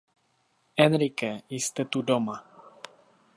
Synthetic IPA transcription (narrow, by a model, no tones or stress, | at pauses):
ɛnɾikəist̪ət̪udoma